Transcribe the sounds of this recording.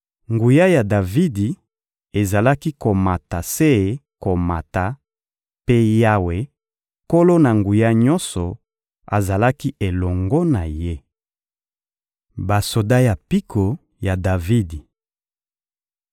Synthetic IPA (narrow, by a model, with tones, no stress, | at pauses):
ŋɡu˨ja˦ja˨da˨vi˦di˨ | e˨za˨la˦ki˦ko˨ma˨ta˨se˦˨ko˨ma˨ta˨ | pe˦ja˦we˨ | ko˦lo˦na˨ŋɡu˨ja˦ɲɔ˦nsɔ˨ | a̰˨za˨la˦ki˦ʔe˨lɔ˨ŋɡɔ˦na˨je˦ | ba˨so˨da˦ja˨pi˦kʰo˨ | ja˨da˨vi˦di˨